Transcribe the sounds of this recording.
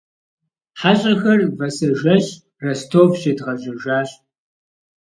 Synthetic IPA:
ħaɕʼɐxɐrvɐsɐʒɐɕ | rɐstʰoːvɕeːdʁɐʑʼɪʒaːɕʼ

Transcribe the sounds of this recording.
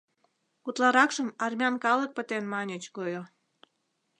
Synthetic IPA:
kut̪lɑɾɑkʃəmɑrmʲɑnkɑlək̚pət̪enmɑnʲət͡ɕkojo

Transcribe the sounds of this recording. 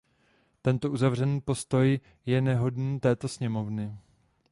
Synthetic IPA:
t̪ɛnt̪oʔuzavr̝ɛniːpo̞st̪o̞j | jɛnɛɦo̞dniːt̪ɛːt̪o̞sɲɛmo̞vnɪ

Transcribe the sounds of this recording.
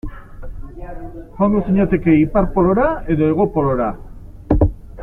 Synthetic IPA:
xond̪osiɲat̪e̞ke̞ipaɾpoloɾaeðoeɣ̞opoloɾa

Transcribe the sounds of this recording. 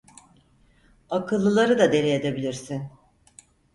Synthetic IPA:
akʰɯlˠːɯlˠaɾɯd̪ad̪e̞ɾied̪ebilʲiɾsin

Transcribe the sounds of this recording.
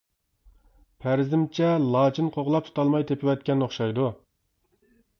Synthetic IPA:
pʰæɾzɪmt͡ʃʰɛlˠɑːt͡ʃʰinqʰoʁlˠɑp̚t̪ʰu̥t̪ʰɑlˠmɑjt̪ʰepʰɪwɛt̪̚kʲɛnːoχʃɑjd̪u

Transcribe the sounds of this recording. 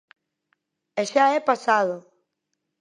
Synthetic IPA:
eʃaɛpasaðo

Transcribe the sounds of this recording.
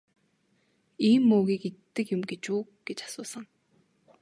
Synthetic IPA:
iːmːoːɣiːket̪ːɘ̆kjʊmɡet͡ɕuːɡ̥et͡ɕḁsʊːsə̆ŋ

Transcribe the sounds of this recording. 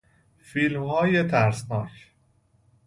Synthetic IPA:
fiːlmhɒːje̞t̪ʰæɾsnɒːcʰ

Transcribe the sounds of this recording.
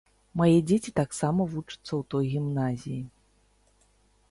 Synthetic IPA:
majɛd͡zʲet͡sʲit̪aksamɐvut͡ʂɨ̥t̪sːɐwt̪ɔjɣʲimnazʲiji

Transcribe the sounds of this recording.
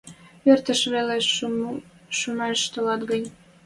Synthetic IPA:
ørt̪əʃβele | ʃumɑʃt̪əlɑt̪ɡənʲ

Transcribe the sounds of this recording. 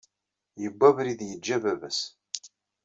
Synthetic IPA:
jəbːævɾiðjəd͡ʒːævævæs

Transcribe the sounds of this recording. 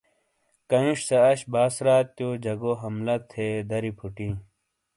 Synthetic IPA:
kɐĩʂsɐɐɕbaːsɾaːt̪ːjoːd͡ʑɐɡoːɦɐmlɐt̪ʰeːd̪ɐɾipʰuʈĩː

